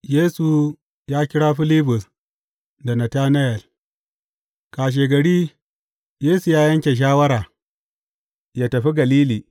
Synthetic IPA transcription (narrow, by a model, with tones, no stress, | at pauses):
jeː˦su˨ | jaː˦kʲɪ˦ɽaː˦ɸɪ˦li˦bʊ˨s | da˨nɐ˨taː˦nɐ˦jɛ˨l | kaː˨ʃ̬e˨ɡɐ˨ɽiː˦ | jeː˦su˨jaː˦jɐ˦ŋkʲe˨ʃ̬aː˦wɐ˦ɾaː˨ | jaː˦tɐ˨ɸi˦ɡɐ˨liː˦liː˨